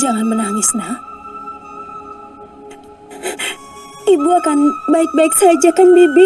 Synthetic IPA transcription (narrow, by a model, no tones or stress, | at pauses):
d͡ʒaŋanbanaŋisna | ʔibuəkanbabɛk̚sad͡ʒakanbibi